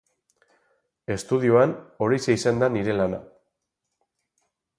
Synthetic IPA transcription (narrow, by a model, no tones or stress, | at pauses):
e̞st̪uð̞iuano̞ɾiseisand̪aniɾe̞lana̰